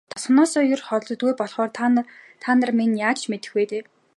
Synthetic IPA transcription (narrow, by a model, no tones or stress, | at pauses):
t̪ʰɔ̥sχ̆nɔːsɔːjʊrχɔ̆ɮtɞ̆t̪̚ɡujpɔɮχɔːrʰt̪ʰanărminjaːt͡ɕʰmet̪ɘ̆xweːt̪eː